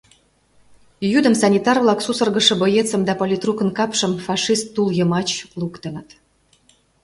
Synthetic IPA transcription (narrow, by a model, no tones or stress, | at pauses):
jyd̪əmsɑnʲit̪ɑrvlˠɑksusə̆rɡəʃə̆bojet͡sə̆md̪ɑpolʲit̪rukə̆nkɑpʃə̆mfɑʂist̪ːuljəmɑt͡ɕlukt̪ə̆nət̪